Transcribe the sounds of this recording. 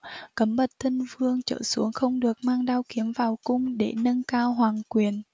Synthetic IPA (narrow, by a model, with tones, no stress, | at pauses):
kə˨˦mɓə˨˩t̚t̪ʰə˧nvɨ˧əŋt͡ɕə̰ː˧˩su˨˦əŋxə˧wŋ͡mɗɨ˨˩ək̚maː˧ŋɗaː˧wki˨˦əmvaː˨˩wkʊ˧ŋ͡mɗe˧˩nə˧nkaː˧wɦwaː˨˩ŋkwi˨˩ən